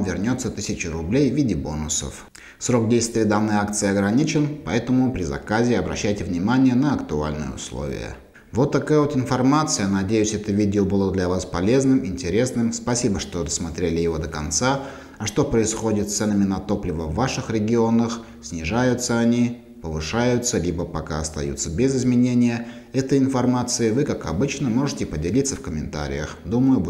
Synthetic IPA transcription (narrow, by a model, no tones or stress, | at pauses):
mvʲɪrnʲo̞t̪sət̪ɨsʲɪt͡ɕɪɾʊblʲejvʲidʲɪbo̞nʊsə̰f | sɾo̞k̚dʲejst̪vʲɪəd̪anːɨjak̚t̪sɨɪɐɡɾɐnʲit͡ɕɪnpɐɛt̪əmʊpɾʲɪzɐ̰kazʲɪɐbɾɐ̰ɕːæjtʲɪvnʲɪmanʲɪjənəɐkt̪ʊa̰lʲnɨ̰jə̰ʊ̰slˠo̰vʲɪ̰jə̰ | vo̞t̪ːɐkajəvot̪ɪnfɐrmat̪sɨjənɐdʲejʉsʲɛt̪əvʲidʲɪobɨlˠəd̪lʲɐvaspɐlʲe̞znɨmɪnʲtʲɪɾʲe̞snɨmspɐsʲibəʂt̪od̪əsmɐt̪ɾʲelʲɪjɪvo̞d̪əkɐnt̪sa | ɐʂt̪o̞pɾəɪsxo̞dʲɪt̪t̪sɛnəmʲɪnɐt̪o̞plʲɪvəvːaʂɨxɾʲɪɡʲɪo̞nəx | sʲnʲɪʐajʊt̪səɐnʲi | pəvɨʂajʊt̪səlʲibəpɐka̰ɐst̪ɐ̰jṵt̪səbʲɪzɪzmʲɪnʲenʲɪjə | ɛt̪əjɪnfɐrmat̪sɨɪvɨkakɐ̰bɨt͡ɕnəmo̞ʐɨtʲɪpədʲɪlʲit̪səfkəmʲɪnt̪a̰ɾʲɪ̰jə̰xd̪uməjʊb